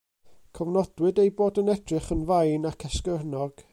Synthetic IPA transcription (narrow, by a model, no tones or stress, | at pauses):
kʰəvnɔd̥wɨdejboːdənɛdrɨχənvajnakʰɛskərnɔɡ̥